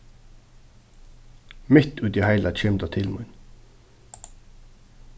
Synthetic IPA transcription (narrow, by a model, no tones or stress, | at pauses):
mɪt̪ʉːd̪ihæɪlɑc͡çɛmd̪ɑt̪ʰɪlmʉ̰n